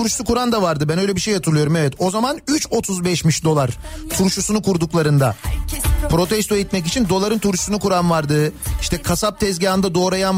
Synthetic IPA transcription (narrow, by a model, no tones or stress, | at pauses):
uɾʃsukuɾand̪avaɾd̪ɯbænøjlʲɛbiʃejat̪ʰɯɾlˠɯjo̞ɾumevɛt̪ʰo̞zamanyt͡ʃo̞t̪ʰuzbɛʃmiʃd̪o̞lˠaɾt̪ʰuɾʃusunukʰuɾd̪uklˠaɾɯnd̪a | pɾo̞t̪ʰɛst̪ʰoit̪mɛc̬it͡ʃʰind̪o̞lˠaɾɯnt̪ʰuɾʃu̥sunukuɾanvaɾd̪ɯiʃt̪ʰɛkʰasap̚t̪ʰɛzɟaːnd̪ad̪o̞ːɾajan